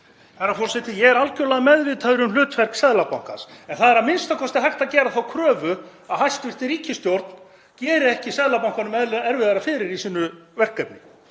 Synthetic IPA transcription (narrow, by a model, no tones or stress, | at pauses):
θaɾafɔɾ̥sɛt̪ɪjɛɣɛɾalcʏlaðmɛðvɪt̪ʰaðʏɾʏml̥ʏːt̪fɛr̥ksɛðlapawŋ̥ka̰nsɛnθaðɛɾamɪnst̪akʰɔst̪ɪɦajxt̪aðcɛːɾaθawkʰɾœːvʏ | aðhajst̪vɪr̥t̪ɪɾiːcɪst̪jowɾt̪n̥ | cɛːɾɪɛhcɪsɛðlapawŋkanʏmɛɛɾvɪðaɾafɪːɾɪɾisiːnʏvɛr̥kːɛpnɪ